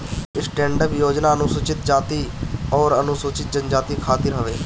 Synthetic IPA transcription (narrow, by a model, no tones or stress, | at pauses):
ɪsʈɛ̃ːɳɖəpjoːd͡ʒnaːənũːsʊt͡ʃɪt̪̚d͡ʒaːt̪iːɔːɾənʊ̃ːsoːt͡ʃɪt̪̚d͡ʒənd͡ʒaːt̪iːkʰaːt̪ɪɾɦəʋeː